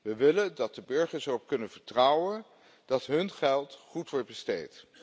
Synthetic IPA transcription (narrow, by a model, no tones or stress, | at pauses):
ʋəʋɪləndɑt̚dəbɵɹχəɹsərɔp̚kɵnənv̥əɹtrʌwən | d̥ɑtɦɵnχɛlˠtχutʋɔɹt̚bəstejt